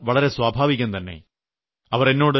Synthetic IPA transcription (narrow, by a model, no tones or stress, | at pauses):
ʋɐɭɐɾe̞swaːbʱaːʋikʲːunt̪ɐnːe̞̰ | ɐʋɐrenːo̞ːɽɨ